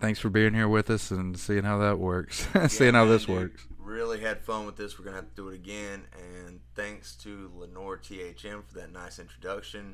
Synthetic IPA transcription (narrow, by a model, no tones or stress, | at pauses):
θæ̃ŋksfə˞biɪ̃ŋhiɹwɪðʌsɨ̃nsiɪ̃ŋhaʊðət̚wɜ˞kssiɪ̃ŋhaʊðɪswɜ˞ksɹɪlˠiɨd̥fʌ̃nwəðɪswɨɹɡʌnəhæftɨdɨːɾɨɡɛ̃nɨ̃nθæ̃ŋkstʰɨlənɔɹtʰieɪt͡ʃɛ̃ɱfə˞ðɨtⁿnaɪsɪ̃nt͡ʃɹ̥ɨdʌkʃɨ̃n